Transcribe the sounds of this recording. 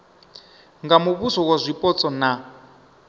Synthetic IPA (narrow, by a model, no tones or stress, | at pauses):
ŋɡamuβusɔkazʷipʼɔt͡sʼɔna